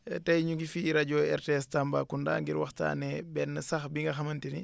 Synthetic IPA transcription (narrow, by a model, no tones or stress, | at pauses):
tɐjɲuɡifiɾɐɟoːɛ̰ɾteɛstamba̰ːkunda̰ːŋɡiɾwɐ̰xta̰ːnɛbɛnːɐsɐxbiŋɡɐxɐmɐntini